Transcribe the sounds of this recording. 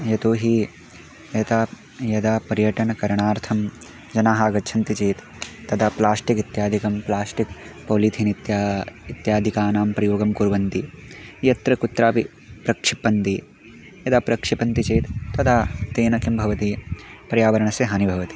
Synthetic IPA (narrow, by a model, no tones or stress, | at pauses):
jɐt̪oːɦi | jɐt̪a | jɐd̪aːpɐɾjɐʈɐɳɐkɐɾɐɳaːɾt̪ʰɐm | d͡ʒɐnaːɦaːɡɐt͡ʃʰɐnt̪it͡ʃeːt̪ː | ɐd̪ʰaplaːsʈikit̪jaːd̪ʱikɐmplaːsʈik̚poːliːt̪ʰinit̪jaːit̪jaːd̪ʱikaːnaːmpɾɐjoːɡɐmkuɾʋɐnt̪ijɐt̪ɾɐkut̪ɾaːpi | pɾɐkʂipɐnt̪i | jɐd̪ɐpɾɐkʂipɐnt̪it͡ʃeːt̪ːɐd̪ʰat̪eːnɐkimbʱɐʋɐt̪ipɾɐjaːʋɐɾɐɳɐseɦɐnibʱɐʋɐt̪i̥